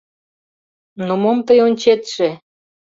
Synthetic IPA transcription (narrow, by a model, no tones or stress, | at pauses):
nomomt̪əjonʲt͡ɕet̪ʃe